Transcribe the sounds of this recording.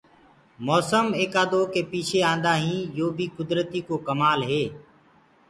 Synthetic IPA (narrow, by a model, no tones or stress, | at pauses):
moːsəmeːkaːd̪oːkeːpiːt͡ʃʰeːãːnd̪aːɦĩːjoːbʱiːkʊd̪ɾət̪iːkoːkəmaːlɦeː